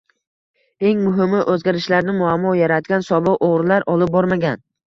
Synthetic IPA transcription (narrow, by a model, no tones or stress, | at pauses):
e̞ŋmʊɦɪmɪʔɵzɡʲaɾɪʃlaɾnɪmʊamːɒjaɾat̪̚ɡʲansɒbɪqoʁɾlaɾʔɒlˠɪp̚bɒɾmaɡʲan